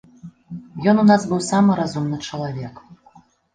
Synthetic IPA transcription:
jɔnunasbɨwsamɨɾazumnɨt͡ʂɐlˠavʲɛk

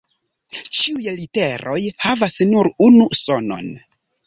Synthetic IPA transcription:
t͡ʃiujlite̞ɾo̞jhavasnuɾunuso̞no̞̰n

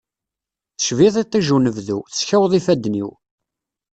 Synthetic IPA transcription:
θə̥ʃviðˤit̪ˤːiʒunəvðuθə̥sçæwəðˤifæd̪ːniw

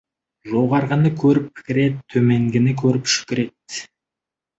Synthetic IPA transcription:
ʒoʁɑɾʁənəkʲʰɵɾɪpʰɪ̥kʲɪɾe̞t̪ʰːɵme̞ŋɡʲɪnɪkʲʰɵɾɪpʃʏ̥kʲɪɾe̞t̪̚

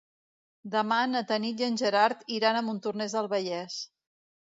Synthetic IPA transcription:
d̪əmanət̪ənijənʲʒəɾaɾt̪iɾanəmunt̪urnɛzðəlˠβəʎɛs

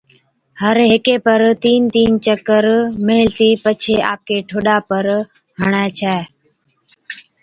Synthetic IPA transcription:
həɾɦɪkeːpəɾt̪iːnt̪iːnt͡ʃəkəɾmeːɪlt̪iːpət͡ʃʰeːa̰ːp̚kʰeːʈʰoːɗaːpəɾ | ɦəɽ̃ɛːt͡ʃʰɛː

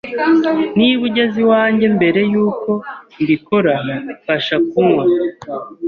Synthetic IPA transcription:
niβuɟaziwaːɲɟe̞mbe̞ɾe̞juːko̞ndiko̞ɾakaʃak̚uŋa

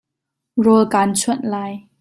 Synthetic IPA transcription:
ɹɔlkaːnt͡ɕʰuət̚laːj

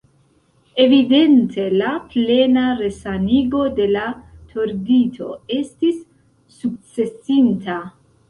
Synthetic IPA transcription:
e̞vide̞ntʰe̞laple̞naɾe̞saniɡo̞de̞latʰo̞ɾditʰo̞̰e̞stisː | uk̚t͡se̞sinta

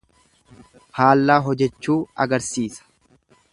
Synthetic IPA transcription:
haːlːaːɦɔd͡ʒɛt͡ʃːuːɐ̰ɡɐɾsiːsɐ̥

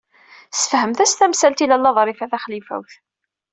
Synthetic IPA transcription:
sə̥fhəmθæst̪æmsælt̪ilælːɑðˤɾˤifæθæχlifæ̰wθ

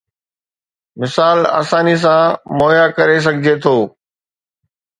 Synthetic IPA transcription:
mɪsaːla̰ːsãːnis̬ãmɔːjakɐɾes̬ɐɡʱɪd͡ʑet̪ʰoː

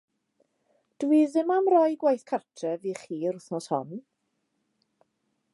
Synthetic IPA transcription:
d̥wiːðɪmamrɔjɡwajθkʰartʰɛviχiːɾʊθnɔshɔ̰n

